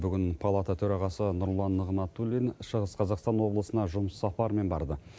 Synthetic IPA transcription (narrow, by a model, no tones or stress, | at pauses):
bʏɡʲɪnpʰɑlˠat̪at̪ʰɵɾɑʁɑsənʊɾlˠɑnːəʁnɑt̪ːulʲinʃəʁəsqʰɑzɑqst̪ɑnwo̞blˠəsənɑʒʊməsːɑpɑɾme̞nbɑɾd̪ə